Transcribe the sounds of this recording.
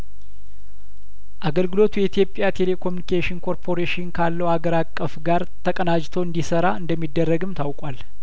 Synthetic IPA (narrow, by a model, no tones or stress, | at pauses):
ʔaɡəlɡɨlo̞t̪ʰujɛit̪ʰijo̞pʼːjat̪ʰe̞le̞kʰo̞mjunikʰeʃɪnkʰo̞ɾpʰo̞ɾeʃɪnkʰalːəwhaɡəɾakʼːəfɡaɾt̪ʰəkʼənad͡ʒt̪ʰoɨnd̪isəɾaɨnd̪əmːid̪ːərːəɡɨmt̪ʰawkʼal